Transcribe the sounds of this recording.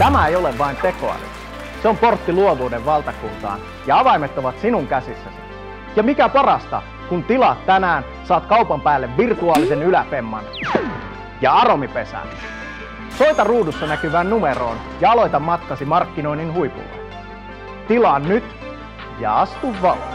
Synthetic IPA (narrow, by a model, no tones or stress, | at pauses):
t̪æmæejoleʋʋɑint̪eko̞̰ɑ̰ny̰ | seomport̪ːiluoʋuːdeʋʋɑlt̪ɑkunt̪ɑ̰ːn | jɑɑʋɑjmet̪ːoʋɑt̪sinuŋkæsisːæsi | jɑmikæpɑrɑst̪ɑ̰ | kunt̪ilɑt̪t̪ːænæːn | sɑːt̪kɑupɑmpæːlːeʋʋirt̪uɑːlisenylæpemːɑ̰n | jɑɑromipesæ̰n | soit̪ɑruːdusːɑnækyʋæːnnumeɾo̰ːn | jɑɑlo̞jt̪ɑmːɑt̪kɑsimɑrkːino̞ininɦuipṵlːḛ | t̪ilɑːnnyt̪ | jɑ̰ɑst̪uʋːɑ